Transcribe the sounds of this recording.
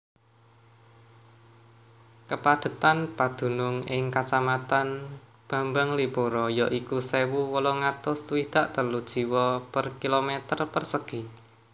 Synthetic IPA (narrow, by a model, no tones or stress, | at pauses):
kəpad̪̥ə̤t̪anpad̪̥ṳnʊŋɪŋkat͡ʃamat̪an | b̥ä̤mbaŋliboɾɔjɔʔikusewuwɔlɔŋat̪ʊswid̪̥aʔt̪əlud̥ʒ̥i̤wɔpərkilomet̪ərpərsəɡ̥i̤